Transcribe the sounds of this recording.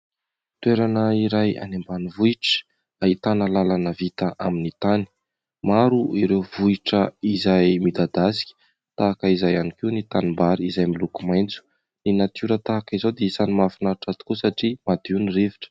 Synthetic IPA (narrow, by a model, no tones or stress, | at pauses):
t̪weɾanəiɾaja̰nembanivuiʈ͡ʂə̥ | ait̪analalanəvit̪aʔaminit̪ani̥ | maɾuʔiɾewvuiʈ͡ʂəizajmid̪ad̪asi̥kʲə̥ | t̪aːkəizajanikiwnit̪animbaɾiizajmilukumajnt͡su̥ | ninat̪uɾət̪aːkizod̪eisanimafinaɾʈ͡ʂat̪i̥kusaʈ͡ʂimad̪iwnireviʈ͡ʂə̥